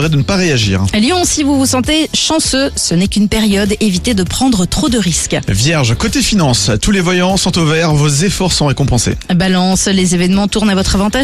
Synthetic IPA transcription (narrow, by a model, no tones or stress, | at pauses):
ʁɛd̪ənəpaʁeaʒḭːʁljɔ̃sivuvusɑ̃t̪eʃɑ̃søsənɛkʲynpɛʁjɔd̪evit̪ed̪əpχɑ̃d̪ʁət̪χod̪əʁiskvjɛʁʒkot̪efinɑ̃st̪ulevwajɑ̃sɔ̃t̪ovɛʁvozefɔʁsɔ̃ʁekɔ̃pɑ̃sḛbalɑ̃slezevɛnmɑ̃t̪uʁnavɔt̪χavɑ̃t̪a